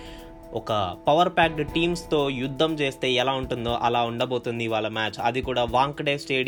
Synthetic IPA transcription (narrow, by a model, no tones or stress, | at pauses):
ɔkɐpɐʋɐɾpaːk̚ɖʈiːmst̪o̞ːjud̪ʱːɐmt͡ʃe̞ːst̪e̞ːɛlaːuɳʈund̪o̞ːʔɐlaːuɳɖɐbo̞ːt̪und̪iʋaːɭːɐmaːt͡ʃɐd̪ikuːɽaːʋaːŋkɖeːsʈeː